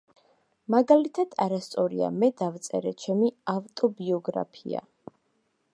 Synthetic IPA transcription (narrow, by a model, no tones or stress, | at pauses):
maɡalit̪ʰad̪̥aɾast̪sʼɔɾḭa̰mɛd̪avt̪sʼɛɾɛt͡ʃʰɛmiavt̪ʼɔbiɔɡɾa̰pʰḭa̰